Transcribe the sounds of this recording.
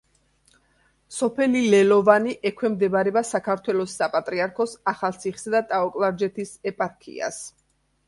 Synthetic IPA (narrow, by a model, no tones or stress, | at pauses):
sɔpʰɛlilɛlɔvaniʔɛkʰwɛmd̪ɛbaɾɛbasakʰaɾt̪ʰwɛlɔsːapʼat̪ʼɾiaɾkʰɔsaχalˠt̪sʰiχi̥sad̪at̪ʼaɔkʼlˠaɾd͡ʒɛt̪ʰisɛpʼaɾkʰḭa̰s